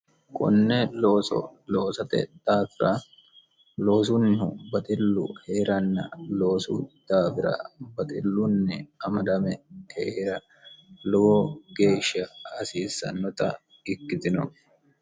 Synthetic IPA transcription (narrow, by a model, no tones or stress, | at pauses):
kʼʊ̰nːɛloːsɔ̰lo̞ːsɐt̪ɛ̰d̪̥aːfɪɾɐ | lo̞ːs̬ʊnːɪɦʊbɐt̪ʼɪlːʊ̰heːɾɐnːɐlo̞ːsṵd̪̥aːfɪɾɐ̰bɐt̪ʼɪlːʊnːɛɐmɐd̪ɐmɛheɾɐ | lɔɡɔɡe̞ːʃːɐːsiːsːɐ̰nːɔt̪ɐ̰ | ɪkːɪt̪ɪnɔ